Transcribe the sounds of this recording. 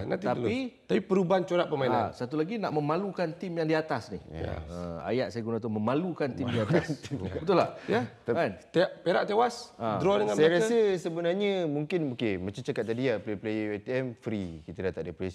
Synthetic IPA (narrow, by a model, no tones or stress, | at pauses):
nã̰t̪iait̪apipəɾubaant͡ʃoɾaʔpəmainaasat̪ulaɡinaʔmə̃mãlukant̪imjaŋdiat̪asnḭə̰a̰jaʔsajaɡunat̪̬umə̃mãlukant̪imdiat̪asbət̪ʊlajat̪aant̪epeɾaʔt̪ewasʔad̪ɾɔdəŋãnsajaɾasəsəbənarɲə̃muŋkɪnokemat͡ʃamt͡ʃakat̪̚ːadiapleplejet̪iɛmfɾikit̪ədat̪aʔdəpɾɛs